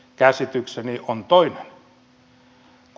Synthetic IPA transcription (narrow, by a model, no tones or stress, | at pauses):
kæsit̪ykseniʔont̪oinen | k